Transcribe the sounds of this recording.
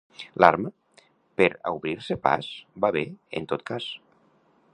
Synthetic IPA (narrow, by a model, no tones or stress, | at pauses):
laɾmə | peɾauβɾiɾsepa̰zbaβeent̪ot̪̚kas